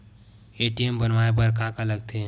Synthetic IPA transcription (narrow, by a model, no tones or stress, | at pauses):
eːʈiembənʋaːep̬əɾkãːkaləɡt̪e